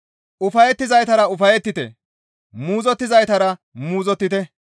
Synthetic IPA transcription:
ʔʊfɐjɛt̪ːɪzɐjt̪ɐɾɐʊfɐjɛt̪ːɪt̪ɛ̰ | muːzɔt̪ːɪzɐjt̪ɐɾɐ | muːzɔt̪ːɪt̪ɛ

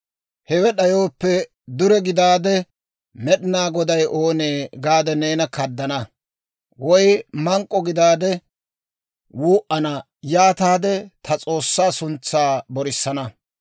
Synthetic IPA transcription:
hɛwɛɗɐjo̞ːpːɛ | d̪ʊɾɛɡɪd̪aːd̪ɛ | mɛɗɪnaːɡɔd̪ɐjʔo̞ːneːɡaːd̪ɛneːnɐkɐd̪ːɐnɐ | wɔjmɐŋkʼːɔɡɪd̪aːd̪ɛ | wuːʔɐnɐ | jaːt̪aːd̪ɛt̪ʰɐt͡sʼo̞ːsːaːsʊnt͡sːaːbɔɾɪsːɐnɐ

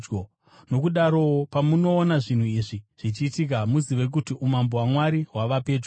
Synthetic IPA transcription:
no̞kuɗaɾo̞pamuno̞ːnaʐin̤uiːʐiʐ̥it͡ʃiːtik̬amuziʋe̞k̬utiʔumambowamwaɾiɦwaʋape̞ːd͡ʒo

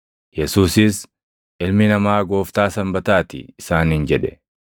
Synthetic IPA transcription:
jɛsuːsɪs | ʔɪlmɪnɐmaːɡo̞ːft̪aːsɐmbɐt̪aːt̪ɪ̰ːsaːnhɪnd͡ʒɛᶑɛ

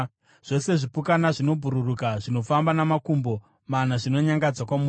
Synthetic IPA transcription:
ʐ̥o̞se̞ʐipukanaʐino̞bʱuɾurukaʐino̞fambanamakumbo̞ | manaʐino̞ɲaŋɡad͡zwakwamu

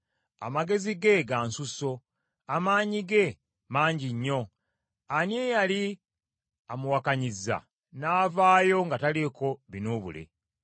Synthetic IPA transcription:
a̰maɡe̞ziɡe̞ɡansuso̞ | amaːɲiɡe̞ | maːɲɟiɲːo̞ | anjejali | amuwakaɲiza̰ | naːvaːjo̞ŋɡataleko̞βinoβṵlḛ

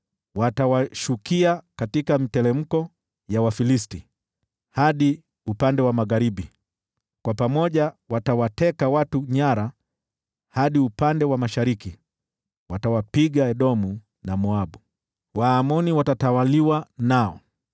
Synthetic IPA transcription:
watawaʃukiakatikamitɛlɛm̩kɔ | jawafilisti | haɗi | upandɛwamaɣaɾiɓi | kwapamɔʄawatawatɛkawatuɲaɾa | haɗiupandɛwamaʃaɾiki | watawapiɠaɛɗɔmu | namɔaɓu | waːmɔniwatatawaliwanaɔ̰

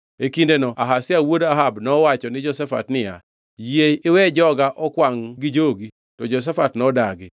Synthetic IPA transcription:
ekindenɔaɦasɪawodaɦabnɔwat͡ʃɔnɪd͡ʒɔsafa̰tnɪja̰ | jeɪwɛd͡ʒɔɡaʔɔkwaŋɡɪd͡ʒoɡi | tɔd͡ʒos̬afatnɔdaɡɪ

